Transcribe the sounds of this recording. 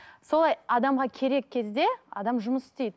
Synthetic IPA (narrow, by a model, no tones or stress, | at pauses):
so̞lˠɑjɑd̪ɑmʁɑkʲʰe̞ɾe̞k̚ʲʰːe̞zd̪e̞ɑ̰d̪ɑmʒʊməsɪ̥st̪ejd̪ɪ